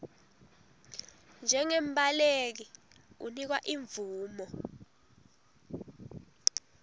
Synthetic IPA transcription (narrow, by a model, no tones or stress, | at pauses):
nd͡ʒʱɛŋemɓʱalek̬i | ṵnik̬waʔiɱvuːmɔ